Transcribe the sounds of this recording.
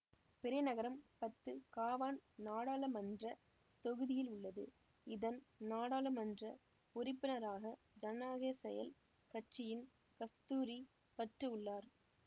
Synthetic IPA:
pɪɾɐnɐɣɐɾɐmpɐt̪ːɯkaːʋaːnnaːɽaːlɐmɐndrɐ | t̪ɔɣɯðɪjɪlʊɭːɐðɯ̰ | ɪðɐnnaːɽaːlɐmɐndrɐ | ʊɾɪpːɯnɐɾaːɣɐ | d͡ʒɐnːaːɣeːsɛjɐ̰l | kɐʈt͡ʃɪjɪn | kɐst̪uːɾi | pɐʈrɯʊɭːaːɾ

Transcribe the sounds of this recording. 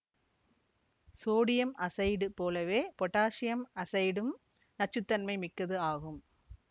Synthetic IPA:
soːɽɪjɐmʔɐsɐɪɽɯpoːlɐʋeːpɔʈːaːʂɪjɐmɐsɐɪɽɯm | nɐʈ̚t͡ʃːɯt̪ːɐnmɐɪmɪkːɐðɯaːɣɯm

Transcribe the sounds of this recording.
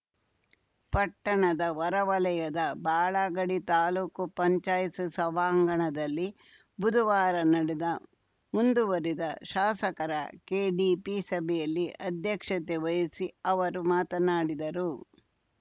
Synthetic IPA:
pɐʈːɐɳɐd̪ɐʋɐɾɐʋɐlɐjɐd̪ɐbaːɭaːɡɐɽit̪aːluːkupɐɲt͡ʃaːjsusɐʋaːŋɡɐɳɐd̪ɐlːi | bud̪ʱuʋaːɾɐnɐɽɛd̪ɐ | mund̪uʋɐɾid̪ɐʃaːsɐkɐɾɐ̰keːɖiːpisɐbʱɛjɐlːiʔɐd̪ʱjɐkʂɐt̪eʋɐjɐsiɐʋɐɾumaːt̪ɐnaːɽid̪ɐɾu

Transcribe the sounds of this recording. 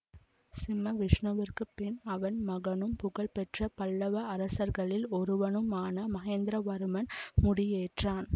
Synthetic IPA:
sɪmɐʋɪʂɳɐʋɐrkɯpːɪnɐʋɐnmɐɣɐnɯmpʊɣɐɭpɛʈrɐpɐɭːɐʋɐɐɾɐsɐɾɣɐɭɪlɔɾɯʋɐnɯmaːnɐmɐɣeːnd̪ɾɐʋɐɾɯmɐnmʊɽɪjeːʈraːn

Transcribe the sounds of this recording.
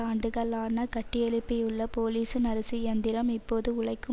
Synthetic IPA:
aːɳɖɯɣɐɭaːnɐkɐʈːɪjɛɭɪpːɪjɯɭːɐpoːliːsɯnɐɾɐsɪjɐnd̪ɪɾɐmɪpːoːðɯʊɭɐɪkːɯ

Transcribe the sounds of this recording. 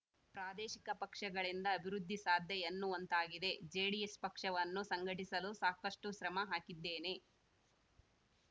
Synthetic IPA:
pɾaːd̪eːʃikɐpɐkʂɐɡɐɭind̪ɐːbʱiɾud̪ʱːisaːd̪ʱjɐjɐnːuʋɐnt̪aːɡid̪e̞d͡ʒeːɽijespɐkʂɐʋɐnːusɐŋɡʱɐʈisɐlusaːkɐʂʈuʃɾɐmɐɦaːkid̪ːeːne̞

